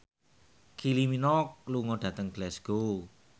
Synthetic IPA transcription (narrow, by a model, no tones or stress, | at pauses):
kʰiliminɔk̚luŋɔɖ̥ä̤t̪əŋɡ̥lɛsɡ̥o